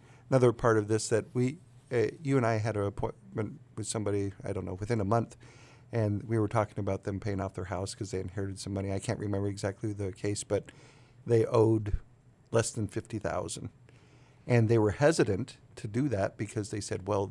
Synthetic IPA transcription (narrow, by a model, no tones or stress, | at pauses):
ənʌðə˞pʰɑɹɾʌvðɪsðɨt̚wi | ʌjɨɨ̃naɪɨɾɨːpʰɔ̃ɪ̃nmɨ̃n̚wɨð̥sʌ̃mbɑɾiaɪɾõʊ̃nːoʊwɨθɪ̃nəmʌ̃nθ | ʔɨ̃nwiwə˞tʰɔkɪ̃ŋɨbaʊt̪̚ðɨ̃mpʰeɪɪ̃ŋɔfðə˞haʊskʰʌzðeɪɨ̃nhɛɹɨɾɨd̥sʌ̃mʌñiaɪkʰæ̰̃nʔɹʔɨmɛ̃mbə˞ɨɡzæk̚tʰˡliðɨkʰeɪsb̥ʌt̪̚ | ðeɪʔoʊd | lɛsðɨ̃n̩fɪftiθa̰ʊzɨ̃n̩d̥ | ʔɨ̃nðeɪwə˞hɛzɨɾɨ̃ntʰɨdɨðæt̚b̥ɨkʰʌzðeɪsɛd̚wɛlˠ